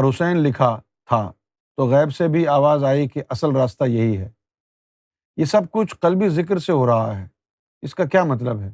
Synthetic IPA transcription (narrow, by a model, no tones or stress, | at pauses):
ɾɦʊsɛːnlɪkʰa | t̪ʰa | t̪oɣɛːbsebʱiaːʋaːzaːikeʔɐsəlɾaːst̪ajɐɦiɦɛː | jesɐb̚kʊt͡ʃʰqɐlbizɪk̬ɾseɦoɾɐɦa̰ɦɛː | ɪskakjaːmɐt̪̬ləbɦɛː